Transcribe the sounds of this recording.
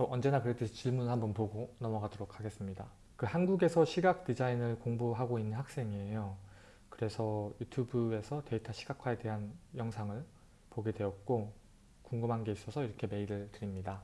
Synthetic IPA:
ʌʔʌnd͡ʑe̞nakɯɾet͈eɕʰit͡ɕiɭmunɦambʌnpoɡonʌmʌɡadoɾokʰːaɡe̞s͈ɯmɲida | kɯhanɡuɡe̞sʰʌɕʰiɡak̚t͈id͡ʑainɯɭkoŋbuɦaɡoinːɯnhak̚s͈e̞ŋiejo | kɯɾe̞sʰʌjutʰjubɯe̞sʰʌte̞itʰaɕʰi̥ɡakʰwae̞te̞ɦanjʌŋsʰaŋɯɭ | poɡedwe̞ʌt̚k͈o | koŋɡɯmɦanɡe̞is͈ʌsʰʌiɾʌkʰe̞me̞iɾɯɭtɯɾimɲida

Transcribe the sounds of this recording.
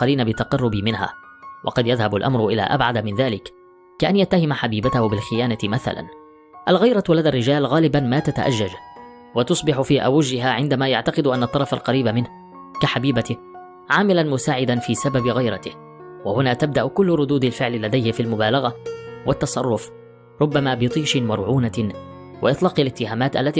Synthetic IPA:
qɑɾiːnabɪt̪ːɑqɑrˤːʊbɪmɪnha̰ː | wʔɑ̰qɑd̪jaðhabalʔamɾʊʔɪla̰ːʔa̰bʕad̪amɪnðaːlɪkː | aʔanjat̪ːahɪmaħabiːbat̪ahʊbɪlxɪjaːnat̪ɪmaθa̰la̰n | ʔalɣajɾˤɑlaðaːrːɪd͡ʒaːlɣaːlɪbanmaːt̪at̪a̰ʔa̰d͡ʒːad͡ʒ | wat̪ʊsˤbɪħʊfiːʔa̰wɪʒɪɦaːʕɪnd̪amaːjaʕt̪ɑqɨd̪ʊʔanːɑt̪ˤːɑɾˤɑfa̰lqɑɾiːbamɪnh | kaħabiːbat̪ɪ | ʕaːmɪlanmʊsaːʕɪd̪anfiːsababɪɣajɾɑt̪ɪh | wahʊnaːt̪ab̚d̪aʔʊkʊlːʊɾˤʊd̪uːd̪alfɪʕlɪlːad̪ajhɪfiːalmʊbaːlaɣawat̪ːɑsˤɑ̰rˤːʊf | ɾˤʊbːamaːbɪt̪ˤiːʃɪmɑɾˤʕuːna | wa̰ʔɪt̪ˤlɑːqalɪt̪ːɪhaːmaːt̪ʔa̰lːat̪iː

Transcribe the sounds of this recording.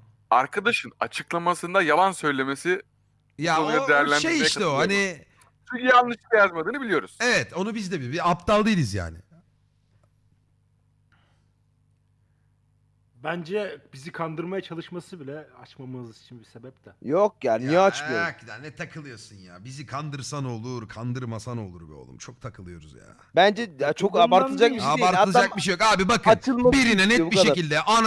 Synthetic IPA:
aɾkʰad̪aʃɯnat͡ʃʰɯklˠamasɯnd̪ajalˠansø̞jlʲe̞me̞si | jaonujɾad̪ejæɾlʲændʃeijiɛʃʰɛohani | t̪ʰyijanlːˠɯʃɯajazmad̪ɯːnɯbilʲijo̞ɾuz̥evɛt̪ʰo̞nubizd̪ɛbibiapt̪ʰalˠd̪ɯjlˠizja̰ːnɪ̰ | bænd͡ʒɛbizikʰand̪ɯɾmajat͡ʃʰalˠɯʃmasɯbilʲɛat͡ʃmamɯzit͡ʃʰinbisebɛp̚t̪ʰɛjok̚jaːnnijɛat͡ʃɯjkid̪ænnɛt̪ʰakʰɯlˠɯjosunjaːbizikʰand̪ɯɾsano̞lˠuɾkʰand̪ɯɾmasano̞lˠuɾbḭo̰lˠṵmt͡ʃʰo̞k̚t̪ʰakʰɯlˠɯjo̞ɾuzja̰ːbænd͡ʒɛjat͡ʃʰokabaɾt̪ʰɯlˠd͡ʒakiabaɾt̪ɯlˠːd͡ʒak̚biʃ̬ejokaːbibakʰɯmt͡ʃɯmbiɾinɛnɛbiʃecilʲd̪ɛʔan

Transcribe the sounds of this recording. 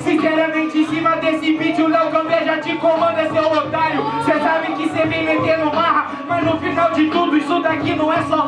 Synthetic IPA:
sĩsɛɾamẽt͡ʃẽsĩmɐd̪esɪbit͡ʃɪʊlɛwkɐ̃w̃veʒat͡ʃɪkõmɐ̃nd̪ɐsewot̪aɾjʊsesabɪkɪsevẽj̃met̪ẽɾnʊmaɦɐ | mɐznʊfinawd͡ʒɪt̪ud̪ʊɪʃt̪ud̪akinɐ̃w̃ɛsɔ

